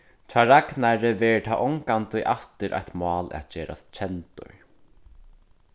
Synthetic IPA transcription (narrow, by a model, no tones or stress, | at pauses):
t͡ʃʰaːɾaknaɾɪvɛːɾɪt̪ʰaːʔɔŋkant̪ʊʔaft̪ɪɾʔa̰jt̪mɑːla̰t̪t͡ɕeːɾa̰st̪t͡ʃʰɛnt̪ʊ̰ɹ